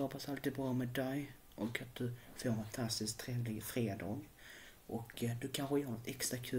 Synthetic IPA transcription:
ɔːpʰasalt̪iːd̪̚bɾɑːmɛd̪ɛj | ʔɔkat̪̚d̪̥ɵfoːɾɛnfant̪ʰast̪ɪskt̪ʰːɾeːvlɪɡfɾeːd̪ɑːɡ | ʔɔkːd̪ɵkʰanɧəjœːɾnɔt̪ʰɛkst̪ɾakʰʉ̟

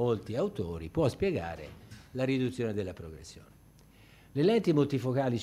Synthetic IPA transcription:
olt̪iawt̪oːɾipwɔspjɛɡa̰ːɾḛlaɾid̪ut̪sjoːned̪elːapɾoɡɾesːjo̰ːne | lelɛnt̪imolt̪ifokaːlis

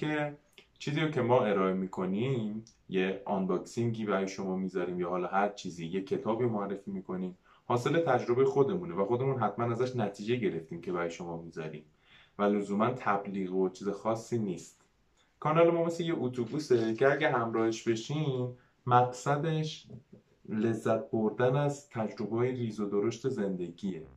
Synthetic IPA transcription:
ke̞ | t͡ʃʰiːziːɾocʰe̞mɒːe̞ɾɒːe̞miːkʰo̞nim | jeɒnbɒksiŋɟiːbæɾɒːjeʃo̞mɒːmiːzɒɾiːmjɒːhɒːlɒːhæɾt͡ʃʰiːziːjekʰːe̞t̪ʰɒːbiːmoærːe̞fiːmiːkʰo̞niːm | hɒːse̞le̞t̪ʰæd͡ʒɾo̞be̞jexo̞d̪e̞munevæxo̞d̪e̞muːnɦæt̪mænæzæʃnæt̪ʰiːd͡ʒeɟe̞ɾe̞ft̪iːmcʰe̞bæɾɒːjeʃo̞mɒːmiːzɒ̰ɾḭːm | vælozuːmænt̪ʰæbliːɣot͡ʃʰiːzexɒːsːiːniːst̪ | kʰɒːnɒlemɒːmesleje̞ʔut̪ʰubuːse̞cʰe̞æɟæɦæmɾɒːheʃbe̞ʃiːm | mæɡsæd̪e̞ʃ | le̞zːæt̪̚ʰbo̞ɾd̪ænæzt̪ʰæd͡ʒɾo̞bɒːjeɾiːzod̪oɾoʃt̪e̞ze̞nd̪e̞ɟiːe̞

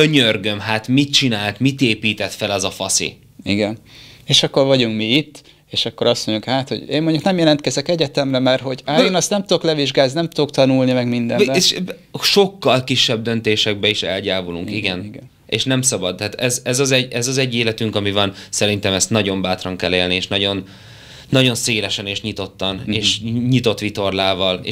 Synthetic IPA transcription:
øɲørɡømɦat̪mit̪̚t͡ʃinaːlt̪mit̪eːpiːt̪ɛt̪fɛlɛzɒfɒsḭ | iɡɛneːʃɒkːo̞rvɒɟuŋkmiit̪ː | eːʃɒkːo̞ɾɒst̪moɲɟukhaːt̪hoɟeːmːoɲɟuknɛmjɛlɛnt̪kɛzɛkɛɟɛt̪ɛmrɛmɛrɦo̞ɟaːeːnɒst̪ɛmt̪ud̪oklɛviʒɡaːznnɛmt̪ud̪ok̚t̪ɒnulnimɛɡmind̪ɛeʃ | ʃo̞kːɒlkiʃːɛb̚d̪ø̞nt̪eːʃɛɡ̚bɛiʃɛ̰lɟaːvuluŋkiɡɛn | ḛːʃnɛmsɒbɒd̪ːaːt̪ɛzɛzɒzɛɟɛzɒzɛɟːeːlɛt̪yŋkɒmivɒnsɛɾint̪ɛmɛst̪nɒɟo̞mbaːt̪rɒŋkɛlːeːlnieːʃnɒɟo̞nː | ɒɟo̞nseːlɛʃɛneːʃɲit̪o̞t̪ːɒneːʃɲit̪o̞t̪ːʋit̪o̞rlaːvɒlḛ

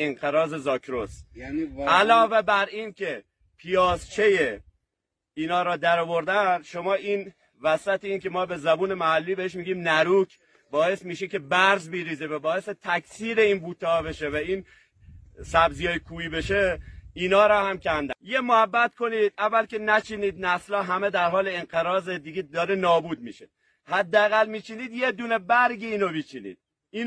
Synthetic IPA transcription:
eŋqeɾɒːze̞zɑːkʰɾos | ælɒːvebæɾiːncʰe̞ | pʰijɒːzt͡ʃʰe̞je | iːnɒːɾɒːd̪æɾɔːvo̞ɾd̪ænʃomɒːʔiːn | væsæt̪ʰeiːnkʲʰemɒːbe̞zæbuːne̞mæhælːiːbe̞eʃmiːɡiːmnæɾuːkʰ | bɒːe̞smiːʃikʲe̞bæɾzbiɾiːzevæbɒːeset̪ʰækʲsiːɾeiːnbuːt̪ʰɒːbe̞ʃevæiːn | sæbzijɒːjekʰuːibe̞ʃeiːnɒːɾɒːhæmcʰænd̪ænjemoæbːæt̪̚ko̞niːd̪̥̚ævːælkenæt͡ʃʰiniːd̪næslɒːɦæmed̪æɾɦɒːleenqeɾɒːzed̪iɡed̪ɒːɾenɒːbuːd̪̚miːʃe | hæd̪ːææɣælmiːt͡ʃʰiniːd̪jed̪uːnebæɾɡiiːnomiːt͡ʃʰinḭːd̪̥̚ | iː

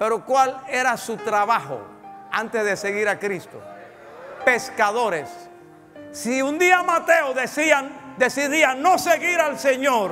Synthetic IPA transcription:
pe̞ɾo̞kwale̞ɾasut̪ɾaβaxo̰ | ant̪ezðese̞ɣiɾakɾist̪o̰ | pe̞skaðo̞ɾesː | iund̪iamat̪e̞oðesiand̪e̞siðianːoseɣiɾalseɲoɾ

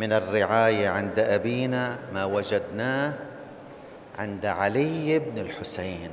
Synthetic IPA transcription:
mɪnɪrːɪʕaːjaʕɪnd̪ʔabiːnamawad͡ʒad̪naː | ʕɪ̰nd̪aʕalɪjɪbnɪlħʊsaːn

